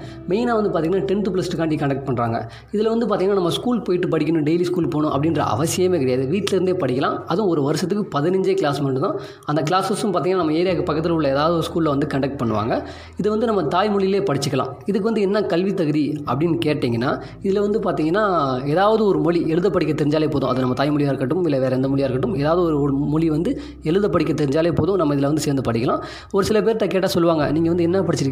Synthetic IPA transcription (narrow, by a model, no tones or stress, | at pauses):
mɛɪnaːʋɐnd̪ɯpaːt̪iŋɐnːaːʈɛnʈ̪ɯplɐsʈɯkaːɳʈikɐɳɖɐk̚ʈ̚pɐɳɾa̰ːŋɡɐ̰ | ɪðɪlʋɐnd̪ɯpaɾt̪iŋɐnːaːnɐmːɐskuːlpoːjɪʈːɯpɐɽɪkʲːɐnʊ̃ɖejliskuːlpoːɳʊ̃ʔɐpːɐɽɪnrɐ̰ɐ̰ʋɐsɪjɐmeːkɪɽɐɪjaːðɯʋiːʈːɪlɪɾnd̪eːpɐɽɪkʲːɐlã̰ːɐðɯ̃ɔɾɯʋɐɾɯsɐt̪ːɯkːɯpɐðɪnɐɲd͡ʒeːklaːsmɐɖɯt̪ãː | ɐnd̪ɐkɪlaːsɐsɯ̃mpaːɾiŋɡnːaːnɐmːɐeːɾɪjaːkːɯpɐkːɐt̪ːɪlʊɭːɐeːðaːʋɐðɯɔɾɯskuːllɐʋɐnd̪ɯkɐɳɖɐk̚ʈ̚pɐɳːɯʋa̰ːŋɡɐ | ɪðɯʋɐnd̪ɯnɐmːɐt̪aːjmɔɭɪjɪleːpɐɽɪt͡ʃːɯkːɐlã̰ːɪðɯkːɯʋɐnd̪ɯɛnːɐkɐlʋit̪ːɐɣɯðiɐ̰pːɐɽɪnːkeːʈːiːŋɡɐnːaː | ɪðɪlʋɐnd̪ɯpaːɾt̪iːŋɡɐnːaːeːðaːʋɐðɯɔɾɯmɔɭiɛɻɯðɐpːɐɽɪkʲːɐt̪ːɛɾɪɲd͡ʒaːleːpoːðʊ̃ɐðɯnɐmːɐt̪aːjmɔɭɪjaːɪɾɯkːɐʈːɯmʋɪlːɐʋeːɾɐɛnd̪ɐmɔɭɪjaːɪɾɯkːɐʈːɯmeːðaːʋɐðɯɔɾɯɔɾmɔɭiʋɐnd̪ɯ | ɛɻɯðɐpːɐɽɪk̬ʲːɐt̪ːɛɾɪɲd͡ʒaːleːpoːðʊ̃nɐmːɐɪðɪlʋɐnd̪ɯseːɾnd̪ɯpɐɽɪkːɐlãː | ɔɾɯsɪlɐp̬eːɾt̪akeːʈːaːsɔlːɯʋaːŋɡɐ̰niːŋɡɐʋɐnd̪ɯɛnːɐpɐɽɪt͡ʃːɪɾɯkː